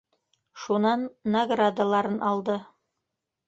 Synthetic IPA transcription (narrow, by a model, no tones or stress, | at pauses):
ʃunɑnːɐɡrad̪alˠɑɾɤnʔɑlˠd̪ɤ